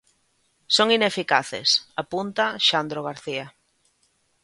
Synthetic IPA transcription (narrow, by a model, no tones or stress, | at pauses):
soŋinefikaθḛsapunt̪aʃand̪ɾoɣ̞aɾθia